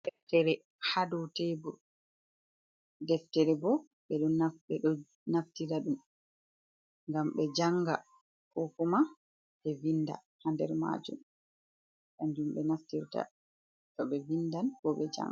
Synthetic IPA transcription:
dɛftɛɾɛ | hadɔtebɔ | dɛftɛɾɛbɔ | ɓɛɗɔaɓɛɗɔ | naftiɾaɗum | ŋɡamɓɛd͡ʒaŋɡa | kɔkuma | ɓɛvinda̰ | handɛ̰ɾma̰d͡ʒṵm | ʔand͡ʒumɓɛnaftiɾta̰ | tɔɓɛvindankɔɓɛd͡ʒa̰ŋ

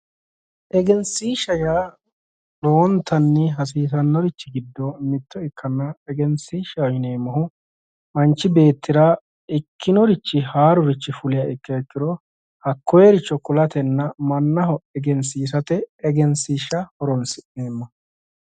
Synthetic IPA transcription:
ʔɛɡɛnsiːʃɐjaː | loːnt̪ːɐnːɪɦɐs̬iːs̬ɐnːɔɾɪt͡ʃːɪɡɪd̪ːɔmɪt̪ːɔɪkʰːɐnːɐɛɡɛnsiːʃɐjne̞ːmːɐɦʊ | mɐnt͡ʃːɪbe̞ːt̪ːɪɾa | ɪkʰːɪnɔɾɪt͡ʃːɪhaːɾʊɾɪt͡ʃːɪfʊlɪjaɪkːɐɛkːɪɾɔ | hɐkʰːɔjɛɾɪt͡ʃːɔkʊlɐt̪ɛnːɐmɐnːɐɦɔɛɡɛns̬iːs̬ɐt̪ɛːɡɛnsiːʃɐhɔɾɔnsɪneːmːɐ

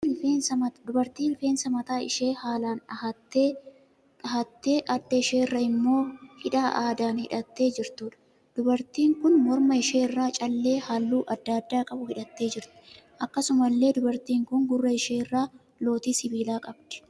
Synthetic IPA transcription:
feːnsɐmɐd̪ʊbɐɾt̪iːlɪfe̞ːnsɐmɐt̪aːɪ̰ʃe̞ːhaːlaːnɐhɐt̪ːeː | ɐɦɐt̪ːe̞ːʔɐd̪ːɐɪʃe̞ːrːɐɪmːo̞ːhɪᶑaːʔaːd̪aːnhɪᶑɐt̪ːe̞ːd͡ʒɪɾt̪uːᶑɐ̥ | d̪̥ʊbɐɾt̪iːŋkʊnmɔɾmɐɪʃe̞ːrːaːt͡ʃʼɐlːe̞ːhalːuːʔɐd̪ːaːd̪ːaːkʼɐbʊhɪᶑɐt̪ːe̞ːd͡ʒɪɾt̪ɪ̥ | ʔɐkːɐsʊmɐlːe̞ːd̪ʊbɐɾt̪iːŋkʊŋɡʊrːɐɪʃe̞ːrːaː | lo̞ːt̪iːsɪbiːlaːkʼɐbd̪̥ɛ̥

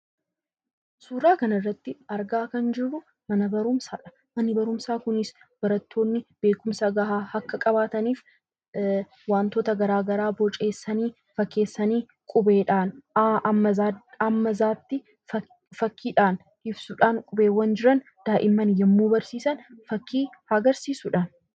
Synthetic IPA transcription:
suːɾaːkɐnɐrːɐt̪ːɪɐɾɡaːkɐnd͡ʒɪrːʊ | mɐnɐbɐɾʊmsaːᶑɐ̥ | mɐnːɪbɐɾʊmsaːkʊnɪs | b̥ɐɾɐt̪ʰːo̞ːnːɪb̥e̞ːkʊmsɐɡɐɦaːhɐkːɐkʼɐbaːt̪ɐniːf | waːnt̪ɔt̪ɐɡɐɾaːɡɐɾaːbɔt͡ʃʼe̞ːsːɐniː | fɐkːe̞ːsːɐniː | kʼʊbeːᶑaːnaʔɐmːɐzaːɐmːɐzaːt̪ːɪ | fɐkʰːiːᶑaːn | ʔɪbsʊᶑaːnkʼʊbe̞ːwːɐnd͡ʒɪɾɐn | d̪̥aːʔɪmːɐnjɐmːuːbɐɾsiːsɐnfɐkːiːhaːɡɐɾsiːsʊᶑaːn

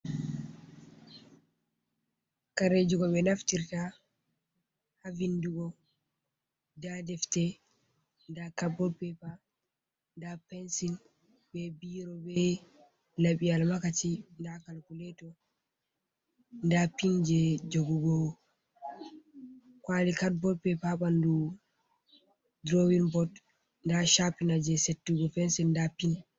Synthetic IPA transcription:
kaɾed͡ʒuɡɔɓɛnaftiɾta | havinduɡɔ | dadɛftɛ | ndakabɔpɛpa | ndapɛnsin | bɛbiɾɔbɛ | laɓialmakatindakalkulɛtɔ | ndapind͡ʒɛd͡ʒoɡuɡɔ | kwalikat̚bɔlpɛpaɓandu | dɾowinbɔt | ndaʃapinad͡ʒɛsetːuɡɔpɛnsindapin

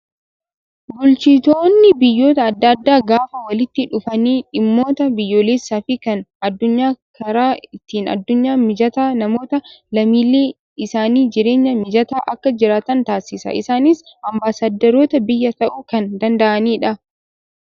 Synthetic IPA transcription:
bʊlt͡ʃɪːt̪oːnːɪbɪjːo̞ːt̪ɐːd̪ːɐːd̪ːaːɡaːfɐwɐlɪt̪ːɪᶑʊfɐniːᶑɪmːo̞ːt̪ɐbɪjːoːleːsːaːfɪkɐnɐd̪ːʊɲːaːkʰɐɾaːɪt̪iːnɐ̰d̪ːʊɲːaːmɪd͡ʒɐt̪aːnɐmo̞ːt̪ɐlɐmiːleː | ɪsaːniːd͡ʒɪɾe̞ːɲːɐmɪd͡ʒɐt̪aːʔɐkːɐd͡ʒɪɾaːt̪ɐnt̪aːsːɪsɐ̰ʔɪ̰saːnɪs | ʔɐmbaːsaːd̪ːɐɾoːt̪ɐbɪjːɐt̪ɐʔukɐnd̪ɐnd̪ɐʔɐniːᶑɐ

